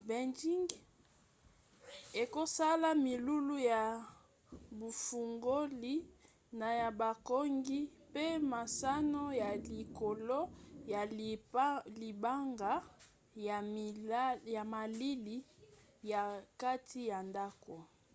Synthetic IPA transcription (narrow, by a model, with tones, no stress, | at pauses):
be˨nd͡ʒi˦ŋɡ | e˨ko˦sa˦la˦mi˨lu˦lu˦ja˨ | bu˨fu˨ŋɡo˦li˨˦ | na˨ja˨ba˨ko˦ŋɡi˦pe˦ma˨sa˦no˦ja˨li˨ko˨lo˦ja˨˦ | li˨ba˦ŋɡa˨˦ | ja˨ma˨li˦li˦ | ja˨ka˦tʰi˦ja˨nda˦ko˨